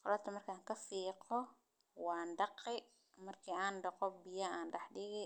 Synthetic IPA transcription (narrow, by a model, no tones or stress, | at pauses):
qɔlaːt̪ʰɐmɐrkʰaːŋkʰɐfiːqɔ | wɑːnɖɑqɪ | mɐrkʰiːaːnɖɑqɔbɪjɐaːnɖɐħɖɪɣɛ